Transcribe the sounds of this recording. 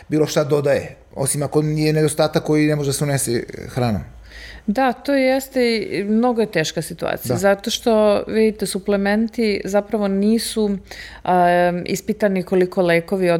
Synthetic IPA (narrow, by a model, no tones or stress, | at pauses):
biːlo̞ʃt̪ad̪o̞d̪aje | o̞̰simako̞nijened̪ost̪aːt̪akːo̞jinemoʒd̪aseunesexɾaːno̰m | d̪at̪oːjest̪eimno̞ɡoje̞t̪e̞ːʃkasit̪ua̰ːt̪sijazat̪o̞ʃt̪o̞ʋid̪it̪esuplement̪izapɾaʋo̞niːsu | ḭspit̪aniko̞liko̞leːko̞ʋio